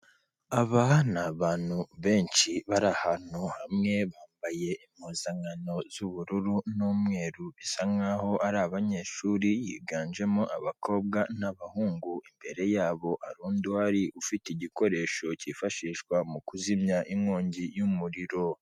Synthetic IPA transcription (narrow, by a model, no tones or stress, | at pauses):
aβanaβaːnhuβe̞ːnʃiβaɾahanuhamŋe̞βaːmbaje̞ʔimhuzaŋano̞z̥uβuɾuɾunumŋŋe̞ːɾuβisaŋŋaho̞ʔaɾaβaɲe̞ːʃuːɾijḭːɡaːnd͡ʒe̞moʔaβakʰo̞ːb̚ɡanaβahuːŋɡuimbe̞ɾe̞jaːβo̞ʔaɾuːndwaɾiʔufiteɟiko̞ɾe̞ːʃo̞cifaʃiːʃkwamukuzimɲaʔimŋoːɲɟijumuɾiɾo̞